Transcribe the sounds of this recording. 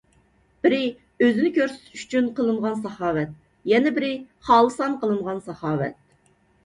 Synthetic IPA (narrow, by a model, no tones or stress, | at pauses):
b̥ɪɾɪ | øzɪnɪkʲøɾsy̥t̪ʰʃy̥t͡ʃʰynqəlˠɨɴʁɑnsɑhɑːwɛt̪̚ | jɛnɛbɪɾɪχɑːlˠɨsɑnqəlˠɨɴʁɑnsɑχɑːwɛ̰t̪̚